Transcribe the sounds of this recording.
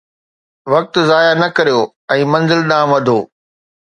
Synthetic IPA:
ʋɐk̚t̪zaːjanɐkɐɾijoː | ɛ̃ːmɐ̃nzɪlɗãːmʋɐd̪ʱoː

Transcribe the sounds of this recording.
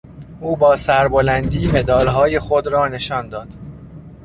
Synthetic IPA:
ʔuːbɒːsæɾbolænd̪iːme̞d̪ɒːlɦɒːje̞xod̪ɾɒːne̞ʃɒːnd̪ɒːd̪̥

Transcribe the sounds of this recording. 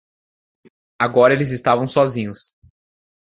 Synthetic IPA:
aɡɔɾɐelɪzɪst̪avɐ̃w̃sɔzĩɲʊs

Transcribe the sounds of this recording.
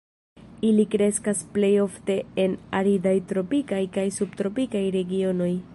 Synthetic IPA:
ilikɾe̞skasple̞jo̞fte̞enaɾidajtɾo̞pikajkajsubtɾo̞pikajɾe̞ɡio̞no̞j

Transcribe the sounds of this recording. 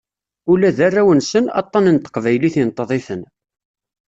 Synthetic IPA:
ulæðarːæwənsənɑ̰t̪ˤːɑnənt̪ə̥qvæjliθint̪ˤːəðˤɪθən

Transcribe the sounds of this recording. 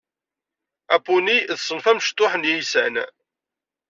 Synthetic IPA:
æpːuniðsˤːənfæmʃt̪ːʊħənjisæ̰n

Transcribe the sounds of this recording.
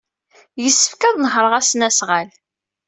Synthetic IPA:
jəsːə̥fkæðˤnəhɾˤəʁæsnæsʁæl

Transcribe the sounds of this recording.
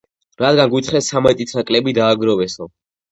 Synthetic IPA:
ɾad̪ɡanɡwit̪ʰχɛsamɛt̪ʼit̪ʰnakʼlɛbid̪aːɡɾɔvɛsɔ

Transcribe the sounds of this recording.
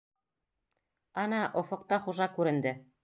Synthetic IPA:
ɑnɑʔŏfŏq̚t̪ɑχuʒɑkʉɾɘ̆nd̪ɘ

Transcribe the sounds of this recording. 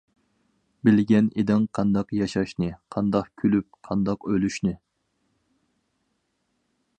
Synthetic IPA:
bɪlɡʲɛned̪ɪŋqʰɑnd̪ɑqjɑʃɑʃnɨqʰɑnd̪ɑqkʲʰylyp̚qʰɑnd̪ɑqølyʃnɨ

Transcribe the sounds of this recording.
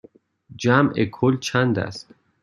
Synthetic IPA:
d͡ʒæmʔekʰolt͡ʃʰænd̪æ̰st̪

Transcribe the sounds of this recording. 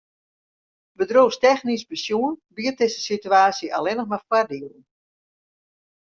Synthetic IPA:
bədroːstɛxnisbəsjuənbiərt̚dɪsəsityaːsiʔalɛnəxmarfwardiələn̩

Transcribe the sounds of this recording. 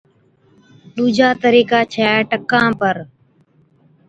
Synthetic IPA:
ɗ̪uːd͡ʒʱaːt̪əɾiːkaːt͡ʃʰaːʈəkːãːpəɾ

